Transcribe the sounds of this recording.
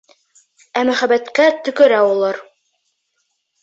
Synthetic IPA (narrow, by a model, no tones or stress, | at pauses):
æmæχæbæt̪kæt̪ɵ̆kɘ̆ɾæulˠɑɾ